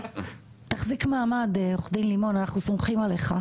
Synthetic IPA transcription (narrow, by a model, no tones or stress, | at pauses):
taχzikmaːmadeoχd̪inlimo̞nanaχnusomχimale̞χa